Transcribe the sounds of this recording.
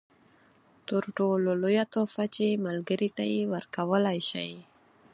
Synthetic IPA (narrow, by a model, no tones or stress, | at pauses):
t̪əɾʈololojat̪ofat͡ʃemalɡəɾit̪ajewəɾkawəlajʃa̰j